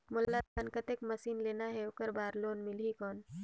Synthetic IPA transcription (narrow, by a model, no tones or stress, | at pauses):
mʊlːat̪̚ankət̪eːkməsiːnleːnaɦɛʊkəɾbaːɾloːnmɪlɦikɔːn